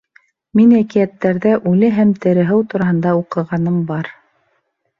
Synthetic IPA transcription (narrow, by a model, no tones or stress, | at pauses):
minækijæt̪ːæɾðæʔʉlɘɦæmt̪ɘ̆ɾɘ̆ɦɘwt̪uɾɑɦɤ̆nd̪ɑuqɤ̆ʁɑnɤmbɑɾ